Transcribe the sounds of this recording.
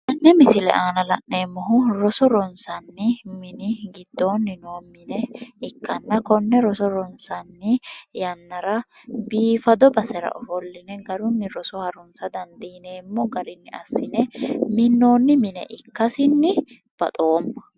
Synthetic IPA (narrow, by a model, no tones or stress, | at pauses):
ʔɐnːɛmɪsɪlɛ̰ʔaːnɐlɐʔne̞ːmːɔɦʊɾɔsɔɾɔnsɐnːɪmɪnɪɡɪd̪̥ːo̞ːnːɪnoːmɪnɛɪkːɐnːɐkɔnːɛɾɔsɔɾɔnsɐnːɪjɐnːɐɾɐ | biːfɐd̪ɔbɐsɛɾɐ̰ʔɔfɔlːɪnɛɡɐɾʊnːɪɾɔsɔhɐɾɔnsɐd̪ɐnd̪iːneːmːɔɡɐɾɪnːɪɐ̰sːɪnɛmɪnːo̞ːnːɪmɪnɛ̰ʔɪkːɐsɪnːɪ | b̥ɐ̰t̪ʼo̞ːmːɐ̥